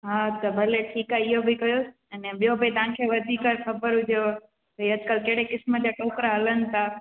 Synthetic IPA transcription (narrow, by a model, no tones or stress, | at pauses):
ɦãt̪obʱəleʈʰiːkaijobʱikəjo | ənebijobʱet̪ãːnkʰeʋəd̪ʱikəɾkʰəbəɾud͡ʒeo | t̪oiɦəd͡ʒkəlkeɽekɪsməd͡ʑaʈoːkɾaɦələnt̪a